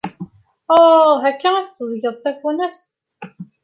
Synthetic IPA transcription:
ɦækːææθt͡s̪ːəzˤʝəðˤθækwænæst̪

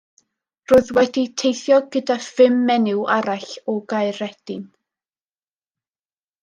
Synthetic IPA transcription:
roːɨðwɛditʰejθjɔɡədafɪmːɛnɪwaɾaɬɔɡaɨɾɛd̥ɪn

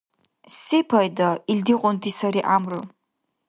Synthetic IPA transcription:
sipʰajdaildiqʷʼʊntʰisaɾiʔamrɨ

